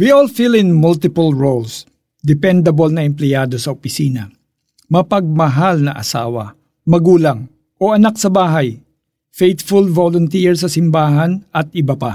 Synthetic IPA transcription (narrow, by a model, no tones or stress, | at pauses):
wiʔɔlfilɪ̃nmʊlt̪ɪpɐlɹols | d̪ɛpɛnd̪ɐbolnɐɛmplɛjaːd̪o̞sɐopɪsiːnɐ̰ | mɐpɐɡ̚mɐɦalnɐʔɐ̰sa̰ːwɐ̰ | mɐɡuːlɐŋ | ʔoʔɐnak̚sɐbaːɦaj | fejt̪fʊlvolʊnt̪iɹsɐsɪmbaːɦɐnɐt̪̚ɪbɐpa